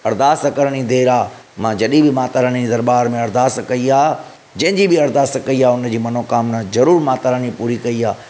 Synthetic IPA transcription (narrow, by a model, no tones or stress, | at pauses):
ɐɾd̪aːst̪kɐɾəɽ̃id̪ʱeːɾaːmãd͡ʑɐɗibɪmaːt̪əɾəɽ̃iid̪ɐɾbaːɾmẽɐɾd̪aːst̪kɐiaː | d͡ʑɐ̃ɦɪ̃d͡ʑibɪɐɾd̪aːst̪kɐiaːʊnd͡ʑiːmɐnokaːmnazɐɾuːɾmaːt̪əɾəɽ̃ipuːɾikɐiaː